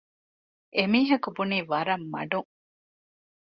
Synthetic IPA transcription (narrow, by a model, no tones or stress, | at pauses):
ʔemiːɦɐkubuniːʋɐɾɐmːɐ̰ɖuŋ